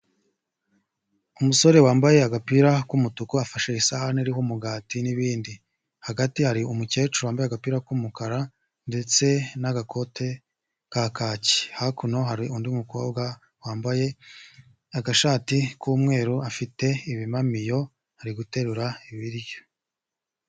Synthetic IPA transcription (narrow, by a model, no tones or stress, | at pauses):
umuso̞ɾe̞waːmbaje̞aɡapiːɾakumutukuafaʃeisahaniɾihumuɡaːtiniβiːndi | haɡatihaɾiumuce̞ːt͡ʃuwaːmbaj̞aɡapiːɾakumukaɾa | nde̞t͡se̞naɡako̞tʰe̞ | kakaːci̥hakuno̞ɦaɾiʔundiumuko̞ːbɡa | waːmbaje̞ | aɡaʃaːtikuːmŋe̞ːɾuafite̞iβimamijo̞ | haɾiɡute̞ɾuɾaiβiɾjo